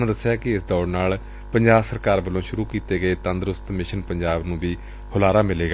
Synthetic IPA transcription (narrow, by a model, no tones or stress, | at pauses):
ãd̪əsːɪjaːkɪɪsd̪ɔːɽnaːl | pəɲd͡ʒaːbsəɾkaːɾbəlõːʃʊɾuːkiːt̪eːɡəeːt̪ə̃nd̪ɾʊst̪mɪʃənpəɲd͡ʒaːbnũːbiː | hʊlaːɾaːmɪleːɡaː